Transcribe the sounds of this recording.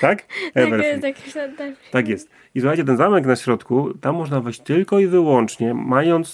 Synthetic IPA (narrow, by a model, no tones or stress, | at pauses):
t̪akɛvɛɾsk̪t̪akjɛst̪ | isuxat͡ɕɛt̪ɛnzamɛknaɕɾɔt̪kut̪amːɔʐnavɘɕt͡ɕt̪ɘlkɔivɘwɔnt͡ʂɲɛmajɔnt̪s